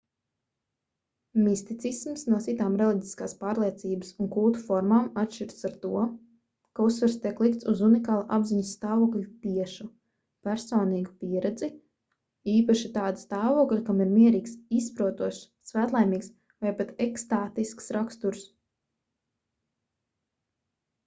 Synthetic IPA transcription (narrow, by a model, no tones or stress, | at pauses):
mist̪it̪sismsnuɔtsit̪aːmɾɛlˠiɟiskaːspaːɾlˠiɛt̪siːbəsuŋkulˠt̪u̥fɔɾmaːmat̪ʃt͡ʃiɾt̪saɾt̪uɔ | kausːʋɨɾst̪ʲiɛklˠikt̪suzunikaːlˠuʔa̰bziɲust̪aːvuɔklʲut̪iɛʃu | pʲæɾsɔːniːɡupʲiɛɾɛd̪zi | iːpaʃit̪aːd̪ust̪aːvuɔklʲukamiɾmiɛɾiːksispɾuɔt̪uɔʃ | svæːt̪lˠajmiːks | vajpat̪ɛkst̪aːt̪isksɾakst̪uɾs